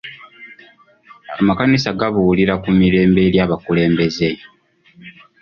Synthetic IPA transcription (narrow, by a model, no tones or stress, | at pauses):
amakanisaɡaβuuliɾakumiɾe̞ːmbe̞ːɾjaːβakule̞ːmbe̞ze̞